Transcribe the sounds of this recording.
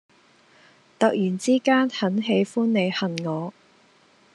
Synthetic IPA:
t̪ɐ˨k̚jyː˨˩nt͡siː˥kaː˥nhɐ˨˥nɦe˨˧jfuː˥nːe˨˧jhɐ˨nŋɔː˨˧

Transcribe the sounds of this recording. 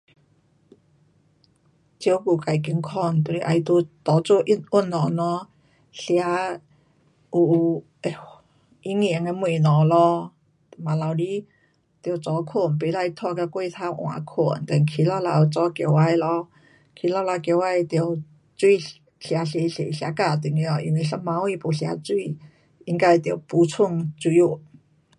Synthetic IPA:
t͡ɕjo˧˦wku˨˩ka˨˩jki˧˦ŋkʰɔ˧˩nt̪u˧i˧ʔa˧jt̪o˧˦t̪ɔ˨˧˦t͡so˧ʔi˥nu˥˩˨nːɔ̃˨˩nɔ̃˧˦ | ɬja˧˦ | u˨˩˨ | e˧ | i˧˦ŋi˨˦ŋe˧mwe˨˩nɔ˨˩˦lɔ˧˨ | ma˨la˨˧wli˦ | t̪t͡sɔ˨˧˦kʰu˧˩npe˧˦la˧˨jt̪ʰɔ˧ka˧kwe˥˧t̪ʰa˧˦˧ʔwã̰˨˧˦kʰṵ˨˩nt̪a˧nkʰi˧la˧la˧u˧t͡sɔ˧˦kjo˧˨wa˧jlɔ˧ | kʰi˧˦la˧˨˧la˧kjo˧˨wa˧jt̪i˧ə˧w | t͡swi˥˧ | ɬja˧˦ɬe˧ɬḛ˨ɬja˧˦ka˧˩t̪i˨˩˨ŋi˧ɔ˧ʔḭ˧nwi˧˨ɬa˧˥mã˧˦u˧i˧po˨˧ɬja̰˧t͡swi˥˧˨ | i˧ŋka˧e˧t̪ji˧˨˩wpu˧˦t͡sʰu˥˧˨ŋt͡su˧˦u˧˩˨

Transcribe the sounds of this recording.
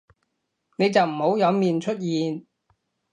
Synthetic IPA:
ne˨˧jt͡sɐ˨wm̩˨˩ho˨˥wjɐ˨˧wmiː˨nt͡ʃʰɵ˥t̚jiː˨n

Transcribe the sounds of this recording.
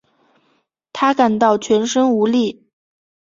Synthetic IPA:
t̪ʰa˥ka˨˩nt̪ɑ˥˩ʊt͡ɕʰɥɛ˧˥nʂɤ˥ŋu˧˥li˥˩

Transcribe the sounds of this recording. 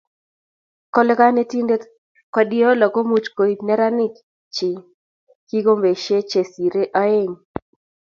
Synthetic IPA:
kɔ˦lka˦ne˦ti˦nde˦ | kwa˦di˦o˦lɔ˨ko˦mu˦t͡ʃko˨i˨tnɛ˦ɾa˦nɪ˦k | t͡ʃɪ˨ | ki˦ɡo˦mbe˨ʃe˦t͡ʃe˨si˨ɾe˦ʔɔ˦e˦˨ŋ

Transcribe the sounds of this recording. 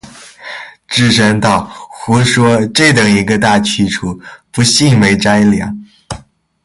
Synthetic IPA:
ʈ͡ʂɻ̩˥˧ʂə˥ŋt̪ɑ˥˩ʊxu˧˥ʂwɔ˥ʈ͡ʂɤ˥˩t̪ɤ˨˩ŋi˧˥ɡə˧t̪a˥˩t͡ɕʰy˥ʈ͡ʂʰu˨˩pu˧˥ɕi˥˩ŋme˧˥ɪʈ͡ʂa˥ɪljɑ̰˨˧˥ŋ

